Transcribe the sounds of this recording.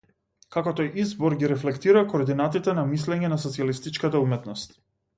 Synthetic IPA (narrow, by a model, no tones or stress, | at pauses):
kakɔt̪ɔjʔizbɔɾɡiɾɛflɛkt̪iɾakoːɾd̪inat̪it̪ɛnamislɛɲɛnas̬ɔt̪sialist̪it͡ʃkat̪̬aumɛt̪nɔst̪